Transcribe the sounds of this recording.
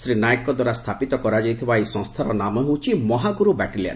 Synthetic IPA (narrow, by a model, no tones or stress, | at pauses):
sɾinajekːɔd̪waɾast̪ʰapit̪ɔkɔɾad͡ʒajt̪ʰibaejsɔ̃ŋst̪ʰaɾɔnamɔɦewt͡ʃʰimɔɦaɡuɾubɛʈilija̰n